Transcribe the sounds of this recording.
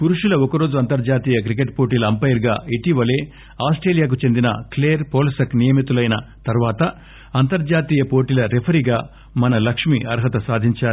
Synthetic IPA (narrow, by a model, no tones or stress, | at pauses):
puɾuʂulɐɔkɐɾo̞ːd͡ʒuɐnt̪ɐɾd͡ʒaːt̪iːjɐk̬ɾikeʈ̚po̞ːʈiːlɐɐmpɐjɐɾɡaːiʈiʋɐle̞ː | aːsʈɾeːlijaːk̬ut͡ʃe̞nd̪inɐ̰kleːɾpoːlisɐknijɐmit̪ulɐjnɐt̪ɐɾʋaːt̪ɐ | ɐnt̪ɐɾd͡ʒaːt̪iːjɐpoːʈiːlɐɾepʰɐɾiɡaː | mɐnɐlɐkʂmiʔɐɾɦɐt̪ɐsaːd̪ʱiɲt͡ʃaːɾ